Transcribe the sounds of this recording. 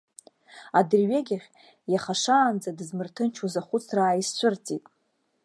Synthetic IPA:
adɨrɥeɡʲaχʲ | jaχaʂaːnd͡zadɨzmɨrtʰɨnt͡ʃʰuzaχʷʊt͡sʰraːjist͡ɕʷʰʊrt͡sʼitʼ

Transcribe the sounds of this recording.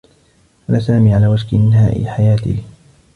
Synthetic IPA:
ʔanaːsaːmiːʕalaːwad͡ʒkɪʔnɦa̰ːʔɪ̰ħajaːt̪ɪ̰

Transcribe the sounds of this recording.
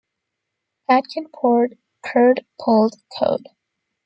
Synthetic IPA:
hæd̚kʰɨ̃npʰɔɹd̚ | kʰɜ˞dpʰolˠd̥kʰo̰ʊd̥

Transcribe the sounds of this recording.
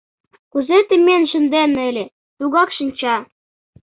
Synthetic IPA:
kuzet̪ɘ̆mʲenʒə̆nd̪enɘ̆lʲĕ | t̪uɣɑkʃinʲt͡ɕɑ

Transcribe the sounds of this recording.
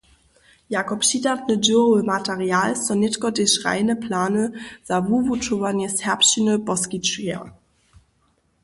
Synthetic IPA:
jaːkɔpʃidatnəduəmatʰɛʁjaːlsɔnɪtkɔdɪʃʁa̰ɪnəpʰlaːnəz̥avuvutʰovanjəshɛɐpʃinəb̥ɔskit͡ʃiɐ̰

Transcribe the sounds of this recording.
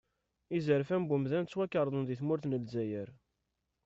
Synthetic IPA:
izəɾfæmbumðænt͡sːwækːəɾˤðˤənðiθmʊɾθnəlzæjəɾ

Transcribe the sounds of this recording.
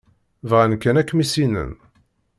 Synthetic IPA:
vʁænkːænækːmisinə̰n

